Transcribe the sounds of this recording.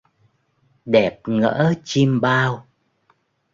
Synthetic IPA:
ɗɛ˨˩p̚ŋə̰ː˧˥t͡ɕi˧mɓaː˧w

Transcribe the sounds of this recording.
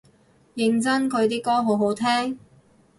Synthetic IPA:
jɪ˨˧ŋt͡sɐ˥nkʰɵ˨˧ɥt̪̬iː˥kɔː˥ɦo˨˧˥wɦo˨˥wt̪ʰɛː˥ŋ

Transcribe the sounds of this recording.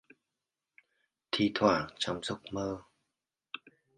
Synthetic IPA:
t̪ʰi˧t̪ʰwaː˧˩t͡ɕɔ˧wŋ͡mzʊ˦˥k͡p̚məː˧

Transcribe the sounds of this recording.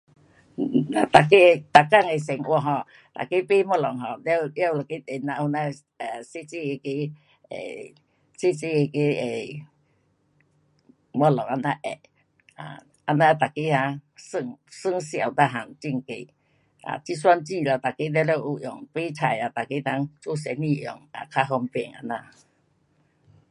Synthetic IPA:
a˨t̪a˨ke˦˧t̪a˨ka˥˧˨ŋe˨sɛ˨˩ŋʔwɔ˧˨ɦɔ˧ | t̪a̰˨ke˦pe˦mɔ˧˨lɔ˨ŋɦɔ˧˨llja˦u˧˨la˨ke˦t̪e˨na˧hu˧na˦ | ɛ˨se˦t͡se˧˨e˧ke˦ | ḛ˨ | se˦t͡se˧˨e˧ke˦e˨ | mɔ˧˨lɔ˨ŋa˧na˦ʔɛ̰˨ʔ | a̰˨ | ʔa˧nã˧t̪a˨ke˦ha˧sɨ˧˨ŋsɨ˦˨ŋsa˨˩wd̪a˧˨ɦa˨˩ŋt͡ɕi˧˨ŋke˧˩˨ | ʔa̰˨t͡ɕi˦swa˧˦nt͡ɕĩ˧˨la˧˩t̪a˨ke˦lɛ˦˧lɛ˧˦ʔu˧˩ʔjɔ̰˨˩ŋpe˦t͡sʰa˨˩ja˨˩t̪a˨ke˦t̪a˧˦ŋt͡so˦˨s̬ɛ˧˦nĩ˧˨ʔjɔ̰˨˩ŋa̰˨˩kʰa˧˦ɦɔ˧mpɛ˧˩˨ŋa̰˧nã˧˨

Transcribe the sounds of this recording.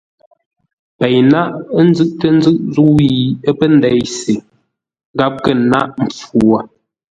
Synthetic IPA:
pɛ˨jna˦ʔn̩˦zɨ˦˨ʔtə˦n̩˦zɨ˦ʔzu˦i˦˨ə˦pə˦˨n˦dɛ˨˦jse˨˦ | ɡa˦p̚ɡə˦˨na˦ʔm̩˨p͡fu˨a˨

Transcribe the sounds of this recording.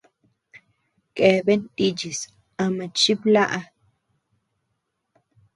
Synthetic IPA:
kʼe˨be˦nt̪i˧d͡ʒi˨s | a˧ma˨t͡ʃi˦bla˦ʔa˧

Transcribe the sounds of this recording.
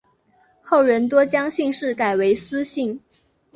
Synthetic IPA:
xo˥˩ʊɻə˧˥nt̪wɔ˥t͡ɕjɑ˥ŋɕi˥˧ŋʂɻ̩˥˩ka˨˩ɪwe˧˥ɪsɹ̩˥ɕi˥˩ŋ

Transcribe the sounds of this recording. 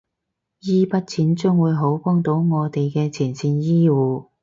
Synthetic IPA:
jiː˥pɐ˥t̚t͡sʰiː˨˥nt͡sʊ˥ŋwuː˨˧jɦo˨˥wkɔː˥ŋt̪o˨˥wŋɔː˨˧t̪e˨jkɛː˧t͡sʰiː˨˩nsiː˧njiː˥wuː˨˧

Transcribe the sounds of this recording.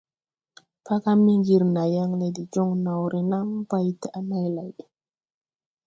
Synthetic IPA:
pa˦ka˦mi˦ŋɡi˨ɾna˨ja˦ŋle˨di˨d͡ʒo˦ŋna˨wɾʔi˨na˦ŋba˦jtɛ˨a˨na˦jla˨j

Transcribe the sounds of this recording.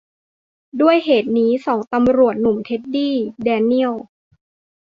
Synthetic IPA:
du˥˩əjɦeː˨˩t̪̚niː˦˥sɔː˩˦ŋt̪a˧mɾu˨˩ət̪̚nu˨˩mt̪ʰe˦˥t̪̚diː˥˩dɛː˧ni˥˩əw

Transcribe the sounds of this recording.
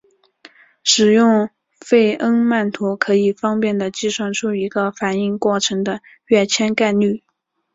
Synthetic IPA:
ʂɻ̩˨˩jʊ˥˧ŋ | fe˥˩ɪʔə˥ŋma˥˩nt̪ʰu˧˥kʰɤ˧˥i˨˩fɑ˥ŋpjɛ˥˩nd̪ə˩t͡ɕi˥˧ʂwa˥˩nʈ͡ʂʰu˥˩i˧˥ɡə˧fa˨˩ni˥˧ŋkwɔ˥˩ʈ͡ʂʰɤ˧˥ŋd̪ə˧ | ɥɛ˥˩t͡ɕʰjɛ˥nka˥˧ɪny˥˩

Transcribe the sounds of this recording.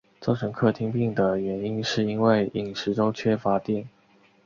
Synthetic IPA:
t͡so˥˩ʊʈ͡ʂʰə˧˥ŋkʰɤ˥˧˩t̪ʰi˥ŋpi˥˩ŋd̪ə˩ɥɛ˧˥ni˥nʂɻ̩˥˩i˥nwe˥˩ɪi˨˩ŋʂɻ̩˧˥ʈ͡ʂo˥ʊt͡ɕʰɥɛ˥fa˧˥t̪jɛ˥˩n

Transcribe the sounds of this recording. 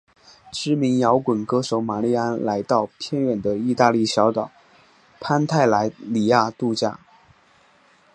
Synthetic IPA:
ʈ͡ʂɻ̩˥mi˧˥ŋjɑ˧˥ʊkwə˨˩nkɤ˥ʂo˧˥ʊma˨˩li˥˩a˥nla˧˥ɪt̪ɑ˥˩ʊpʰjɛ˥˧nɥɛ˨˩nd̪ə˦i˥˧t̪a˥˧li˥˩ɕjɑ˧˥ʊt̪ɑ˨˩˦ʊ | pʰa˥nt̪ʰa˥˩ɪla˧˥ɪli˨˩ja˥˧t̪u˥˧t͡ɕja̰˥˩

